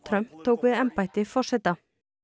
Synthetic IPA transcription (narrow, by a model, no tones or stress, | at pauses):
t̪ʰɾœmpt̪ʰoːwkʋɪːɛmpaɪt̪ɪfɔʂɛt̪ɑ